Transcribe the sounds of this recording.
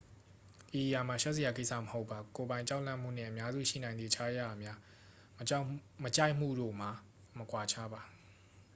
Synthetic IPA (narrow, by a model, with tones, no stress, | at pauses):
ʔi˨ʔja˨ma˨ʃɔ˦ʔze˨ja˨k̬e˦ɪʔsʰa̰˦˨mə˨ho˦ʊpʰːa˨ko˨bã˨ɪ̃ɲt͡ɕa˦ʊlã̰˦˨m̥ṵ˦˨n̥ɪ̰̃˦˨ʔə˨mja˦zṵ˦˨ʃḭ˦˨nã˨ɪ̃nd̪i˨t͡ɕʰa˦ja̰˦˨mja˦ | mət͡ɕa˦ɪʔm̥ṵ˦˨do̰˦˨m̥a˨ | məkwa˨t͡ɕʰa˦ba˨